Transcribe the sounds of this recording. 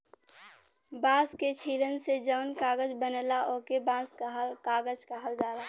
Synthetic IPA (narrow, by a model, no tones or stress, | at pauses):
bãːsket͡ʃʰiːlənsed͡ʒəʊnkaːɡəd͡ʒbənəlaʔokebãːskɦkaːɡəd͡ʒkaɦəld̪aːla